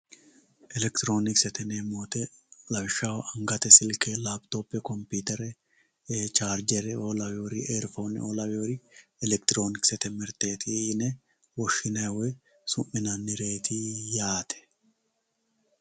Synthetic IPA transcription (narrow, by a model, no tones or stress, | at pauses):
ʔɛlɛkt̪ɪɾo̞ːnɪksɛt̪ɛneːmoːt̪ɛlɐbɪʃːawɐʔɐŋɡɐt̪ɛsɪlkeːlaːbt̪oːpːɛkɔmpiːt̪ɛɾɛ | t͡ʃaːɾd͡ʒɛɾɛoːlɐwoɾieːɾfo̞ːnɪ̰oːlɐwoɾɪɛlɛk̚t̪ɪɾo̞ːnɪksɛt̪ɛmɛɾt̪eːt̪inɛ | wɔʃːɪnɐwɛ | sʊmːɪnɐnːɪɾe̞ːt̪ʰijaːt̪ʰɛ̥